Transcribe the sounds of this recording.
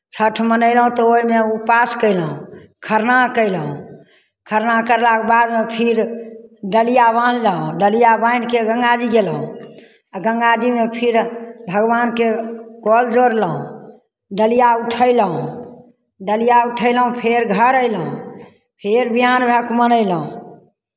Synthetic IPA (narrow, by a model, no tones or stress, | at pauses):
t͡ʃʰəʈʰmənəɪlɦũt̪ɔoimeupaskəɪlɦũkʰəɾnakəɪlɦũ | kʰəɾnakəɾlakebad̪mepʰiɾɖəlijabə̃lləɦũɖəlijabãjnkeɡə̃ŋɡad͡ʒiɡelɦṵ̃ | aɡə̃ŋɡad͡ʒimepʰiɾbʱəɡʋankekɔld͡ʒoɾləɦṵ̃ | ɖəlijauʈʰəɪləɦũ | ɖəlijauʈʰəɪləɦũpʰeɾɡʱəɾəɪləɦṵ̃ | pʰeɾbʱiɦanbʱəkmənəɪləɦũ